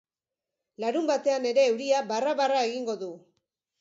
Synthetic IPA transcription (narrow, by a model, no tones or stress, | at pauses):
laɾumbat̪e̞ane̞ɾe̞ːwɾiaβaraβaraeɣiŋɡo̞ðu